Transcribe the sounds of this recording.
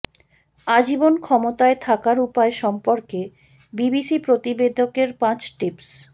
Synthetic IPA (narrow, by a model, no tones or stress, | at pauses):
ad͡ʑibonkʰɔmot̪aet̪ʰakaɾupaeʃɔmpoɾke | bibisipɾot̪ibed̪ʱokeɾpãt͡ɕʈips